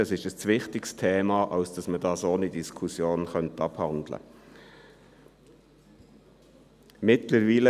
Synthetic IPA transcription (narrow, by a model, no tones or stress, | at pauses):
ɑsɪʃəst͡sʋɪχtɪkstʰeːmɑʔɑlsd̥ɑsməd̥ɑːsoːnid̥iskʰusjoːnχœntɑphɑnd̥̪lə̰ | mɪtləɾviːlə